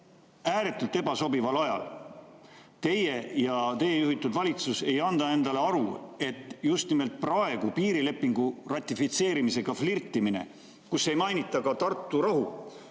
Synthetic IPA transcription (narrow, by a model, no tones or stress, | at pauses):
æːɾe̞t̪ːˑult̪e̞bɑso̞bivɑlɑjɑ̰l | t̪e̞jejɑt̪e̞jːejuhit̪ːˑud̪vɑlʲit̪suse̞jɑnd̪̥ɑe̞nd̪̥ɑle̞ɑɾue̞t̪ˑːjust̪nime̞lt̪̚prɑe̞ɡ̥upiːɾile̞pːiŋɡ̥urɑt̪ʲːˑifit̪se̞ːɾimise̞ɡ̥ɑflirt̪ːˑimine̞̰ | kusːe̞jmɑjnit̪ːˑɑkɑt̪ɑrt̪ˑːuɾɑɦu